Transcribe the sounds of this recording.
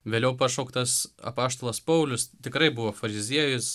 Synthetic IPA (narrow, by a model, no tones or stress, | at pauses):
ʋʲeːlʲɛʊpɑʃoːkt̪ɐsɐ̰pɑːʃt̪oːlˠɐspɐʊlʲʊst̪ʲɪkɾɐɪbʊʋoːfɐɾʲɪzʲiɛjʊs